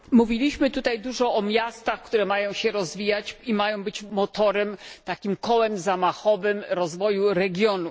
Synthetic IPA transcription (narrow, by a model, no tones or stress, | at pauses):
muvʲilʲiɕmɘt̪ut̪ajd̪uʐɔɔmʲjast̪axkt̪uɾɛmajɔ̃w̃ɕɛɾɔzvʲijat͡ɕimajɔ̃w̃bɘt͡ɕmɔt̪ɔɾɛmt̪akʲimkɔwɛmzamaxɔvɘmɾɔzvɔjuɾɛɡʲjɔnu